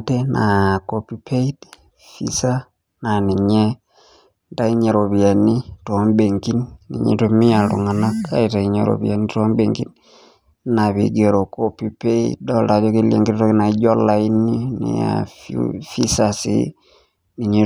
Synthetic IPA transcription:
te˦nʔa˨kopi˦pʰe˦i˦d | fḭ˦sa˦ | na˨ni˨ɲɛ˦ | nda˦i˦ɲe˨ɾo˨βja˨ni˦to˨˦mbe˨ŋki˦nnḭ˨ɲḭ˨to˦mi˦a˨lṵ˨ŋa˨na˦ka̰˦i˨ta˨i˨ɲe˨ɾo̰˨βja˨ni˦to˦mbe˨ŋkḭ˦n | na˨βḭ˨ɡe˨ɾo˨ko˦pi˦pe˦iddɔla˨jɔ˦ke˦liḛ˨ŋɡi˦ɾto˦kna˨i˦d͡ʒɔ˦la˦i˦ni˦nḭ˨a̰ | fi˦sa˨sḭ˦ | ni˨ɲi˦

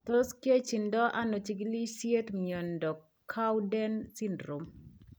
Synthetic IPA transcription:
t̪o˦ske˦t͡ʃi˨ndɔ˦ʔa˦no˨t͡ʃi˨ɡli˦sje˦t̪miɔ˨ndɔ˨kʰːa˦wdɛ˦nsi˦ndɾo˨m

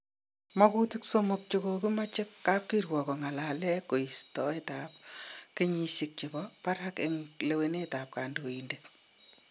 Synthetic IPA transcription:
mɔ˦kuti˦ksomʊk̚t͡ʃo˨ko˨ki˦ma˦t͡ʃɪ˦kːa˦p̚ki˦rwɔ˨kɔ˨ŋa˨la˨lɛ˦ko˨i˨stɔ˦e˦ta˨p̚keɲisik̚t͡ʃi˨bɔpa˦ɾhakeŋle˨wene˦ta˨p̚ka˨ndoinde

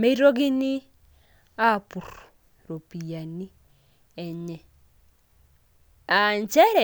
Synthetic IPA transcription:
me˦ɾo˦ɡɪ˦nɪ˦ | a˦˨pu˨ɾ | ɾo˨pi˨ja˨ni˦ | ɛ˨ɲɛ˨ | a˨ɲt͡ʃɛ˦ɾɛ˨

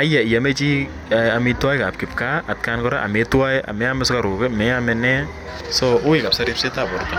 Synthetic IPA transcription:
a˦ja˨i˨ja˨me˦t͡ʃi˦ | a˨mitwa˦jka˨p̚kɪ˨p̚ka˦a˨t̚kaː˧nkɔ˦ɾa˦ʔa̰˨me˨˦twa˦ja̰˨mɛ˨˦a˦mɛska˨ɾʊː˨kɪ˦mɛ˨amɛnɛ˦ | sɔʔʊ˦ɪ˨ka˨psa˦ɾipse˦ta˨pɔ˨ɾta˨

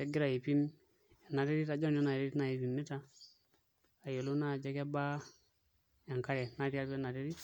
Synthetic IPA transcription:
ɛ˨ɡi˦ɾa˨ji˨pi˦m | ɛ˨nːa˨ɾe˦ɾi˦ta˨d͡ʒɔ˦n˦o˦na˨ɾe˦ɾi˦na˨ji˨pi˨mːi˦ta˦˨ | jo˨lo˦na˦˨d͡ʒɛ˦kɛ˦ba˦ | ɛ˨ŋka˦ɾɛ˨na˦ɾi˦a˦bna˨ɾe˦ɾi˦

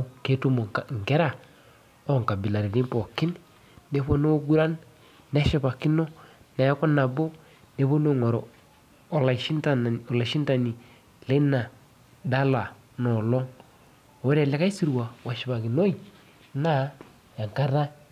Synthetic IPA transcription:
ke˦tu˦mo˨ŋ˨ke˦ɾa˦˨ | o˦˨ŋ˨ka˨bi˨la˨ɾi˨ni˦mpo˨ki˦nː | e˦po˦no˦ɡu˦ɾa˦nː | e˦ʃi˨pa˨ki˦no˦na˨ja˦ko˦na˨bo˦ | ne˦po˦no˦ŋo˨ɾo˨ | la˨ʃi˦nta˨ɔ˨la˨ʃi˦nta˨ni˨ | le˦na˨ | da˦la˨ | nɔ˨lɔ˦ŋ˨ | we˦ɾe˨le˦ka˦i˦si˦ɾu˨wa˨wa˨ʃi˨pa˨ki˨no˦i˨ | na˦ | ja˨ŋka˦ɾa˦

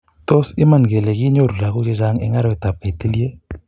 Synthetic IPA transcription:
to˦sɪ˦ma˦˨nɡe˨le˨ɡɪ˦ɲo˦˨ɾu˨la˨kʊ˦t͡ʃe˦d͡ʒa˦ŋɪ̰˦ŋa˦ɾɔ˦ɪ˨ta˨p̚ka˨i˨ti˦lje˦

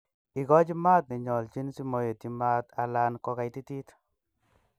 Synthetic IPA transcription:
i˨kɔ˦t͡ʃi˦ma˦t̪̚nɪ˨ɲɔ˨lt͡ʃi˦nsi˦mo˨je˨ti˨ma˦t̪a˨la˦nkɔ˧ka˨jti˦ti˦t

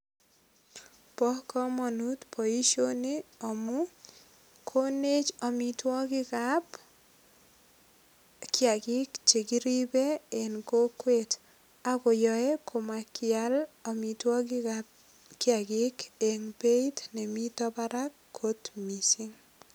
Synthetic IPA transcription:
pɔ˦kɔ˦mɔ˨nu˦tpʰo˨i˦ʃo˦ne˦ɔ˨mʊ˦ | kʰo˦ne˦t͡ʃɔ˨mi˨twɔ˦ɡɪ˦kap | kja˨ɡɪ˦kt͡ʃe˨ɡi˦ɾi˦be˦e˨nko˦kwe˦t | a˦ko˨jɔ˨e˦kʰo˨ma˨kɪa˦lɔ˨mi˨twɔ˦ɡɪa | kja˨ɡɪ˦ke˨ŋbe˦i˦tne˨mi˦tɔ˦ba˦ɾa˦kːo˦tmi˨si˦ŋ

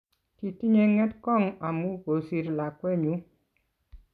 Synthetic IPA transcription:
ki˨ti˦ɲe˦ŋɛ˦tkɔ˦˨ŋa˨mu˦ko˨si˨ɾla˨kwɛ˦ɲu˨˦

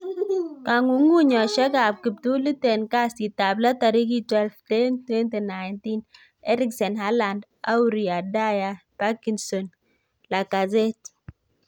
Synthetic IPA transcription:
ka˨ŋu˨ŋu˦ɲɔ˨ʃɛ˦ka˨b̚ki˨p̚tu˦li˦tɛ˨nka˦sti˨ta˨bla˦ta˨ɾi˦ki˦twɛ˦lftɛ˦ntwɛ˦nte˨na˨jnti˦n | ɛ˦ɾi˦ksɛ˨nɦa˦la˨nd | a˦wɾi˨a˨da˦ja˨pa˦ki˨nsɔ˨n | la˨ka˨zɛ˦t

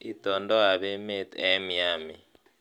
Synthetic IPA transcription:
i˦tɔ˨ndɔ˦a˨βɛ˦mɛ˦t̪ɛ˦mi˨a˨mi˨

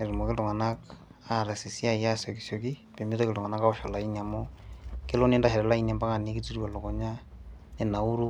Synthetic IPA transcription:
e˨ɾi˨mɔ˨ke˦tɔ˨ŋa˨nak | aɾɛsi˨si˦ajasɔki˨sɔkipe˨mitɔ˦ketɔ˨ŋa˨na˦ka˦ɔʃɔ˨la˨iniamɔke˦lɔ˦ni˦ndaɦɛ˨ɾɛ˨la˦inia˨mba˦kaniki˦ti˦ɾia˨lɔ˨kɔ˨ɲane˨na˨u˦ɾu

